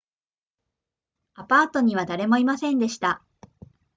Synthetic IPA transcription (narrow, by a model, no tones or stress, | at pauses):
apaːt̪o̞ɲ̟iβ̞ad̪aɾe̞mo̞imasẽnd̪e̞ɕi̥t̪a